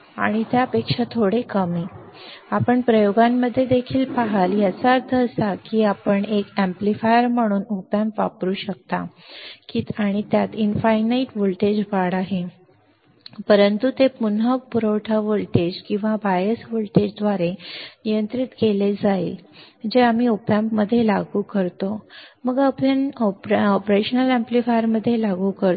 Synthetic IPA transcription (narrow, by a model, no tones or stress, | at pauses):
a̰ɽ̃it̪jaəpekʂat̪ʰoɽekəmiapəɳpɾəjoɡamːəd̪ʱːjed̪ʱːekʰiːlpaɦaljat͡saəɾt̪ʰəːsakiːapəɳekæ̃mplifajəɾm̤əɽ̃uːnupjamʋa̰pɾuːɕək̚t̪a | kit̪aɽ̃it̪jat̪infajnaiʈʋulʈed͡ʑʋaɽaɦe | pəɾənt̪ut̪epunɦəpuɾəwʈʰaʋoɭʈed͡ʑkĩw̃ʋabajəsʋuɭʈed͡ʑd̪ʋaɾenijənt̪ɾit̪keled͡zail | d͡ʑeamiːopjampməd̪ʱːjelaɡuːkəɾt̪oməɡapənɔpɾeɕənəlæ̃mplifajəɾməd̪ʱːjelaɡuːkəɾ